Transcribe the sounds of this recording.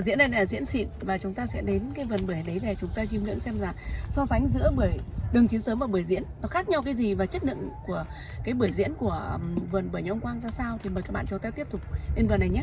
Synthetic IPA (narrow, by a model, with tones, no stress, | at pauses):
zḭ˧˥ənə˧jzḭ˧˥ənsḭ˧˨nvaː˨˩t͡ɕʊ˨˦ŋ͡mt̪aː˧sɛ̰˧˥ɗe˨˦nkaː˨˦jvə˨˩nɓɨ˧˩jɗə˨˦jvɛ˨˩t͡ɕʊ˨˦ŋ͡mt̪aː˧t͡ɕi˧mŋḭ˧˥ənsɛ˧mzaː˨˩sɔ˧za˨˦jŋ̟zɨ̰˧˥əɓɨ˧˩əjɗɨ˨˩əŋt̪i˨˦wsəː˨˦mʔaː˨˩ɓɨ˧˩jzḭ˧˥ənnɔ˨˦xaː˦˥k̚ɲa˧wkaː˨˦jzi˨˩vaː˨˩t͡ɕə˦˥t̚ɗɨ̰˧˨ŋku˧˩ə | kaː˨˦jɓɨ˧˩əjzḭ˧˥ənku˧˩əvə˨˩nɓɨ˧˩jɲa˨˧˨ŋ͡mkwaː˧ŋzaː˧saː˧wt̪ʰi˨˩məː˨˩kaː˦˥ɓa̰ː˧˨t͡ɕʊ˨˦t̪aː˧t̪i˦˥əp̚t̪ʊ˨˩k͡p̚ne˧nvɨː˨˩nːa˨˩jɲaː˦